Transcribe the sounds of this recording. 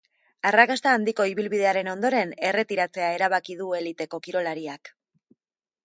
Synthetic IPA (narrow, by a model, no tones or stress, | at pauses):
arakast̪aːnd̪iko̞iβilβið̞e̞aɾe̞no̞nd̪o̞ɾe̞ne̞re̞t̪iɾat͡se̞ae̞ɾaβakið̞ue̞lit̪e̞ko̞kiɾo̞laɾiak